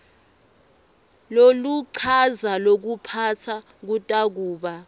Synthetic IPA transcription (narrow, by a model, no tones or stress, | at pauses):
loluǀʰazalok̬upʰatʰa | k̬utʼak̬uːɓa